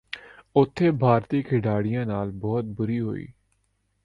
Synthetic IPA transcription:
ʊt̪ʰːeːbʱaːɾt̪iːkʰɪɖaːɽɪjãːnaːlbɔːt̪̚bʊɾiːɦo̰ːḭː

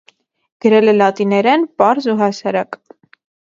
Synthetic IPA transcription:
ɡ̥əɾɛlɛlɑt̪inɛɾɛnpɑɾzuɦɑsɑɾɑk

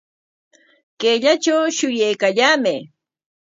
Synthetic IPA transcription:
keʎat͡ʃawʃʊjajkaʎaːmɪ

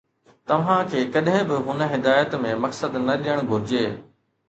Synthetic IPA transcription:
t̪ɐʋ̤ãkʰeːkɐɗɦɪ̃bɪɦʊnə̆ɦɪd̪aːjət̪mẽmɐksəd̪nɐɗijəɽ̃ɡʱʊɾɪd͡ʑeː

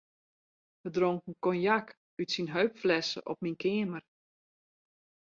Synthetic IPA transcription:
ʋədroŋkn̩kɔnjak | ytsinɦœɥpflɛsə̰ʔɔ̰p̚minkɪəmər

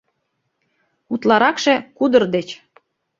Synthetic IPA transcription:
ut̪lɑɾɑkʃĕkud̪ə̆rd̪et͡ɕ

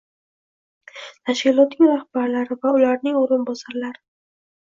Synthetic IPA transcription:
t̪ʰaʃkʲɪlˠɒt̪nɪŋɾahb̥aɾlaɾɪvaʊlaɾnɪŋoɾɪnbɒsaɾlaɾɪ

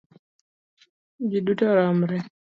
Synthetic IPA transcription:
d͡ʒidutaɾam̩ɾɛ

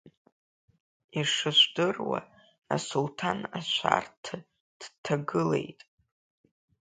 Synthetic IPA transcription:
iʂɨʃʷdɨrwa̰ | asultʰanaʃʷa̰rtʰa | d̥tʰaɡɨle̞jtʼ

